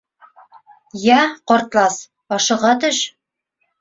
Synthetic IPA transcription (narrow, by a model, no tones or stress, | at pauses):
jæqɒɾt̪lˠɑs | ɒʃɤ̆ʁɑt̪ɵʃ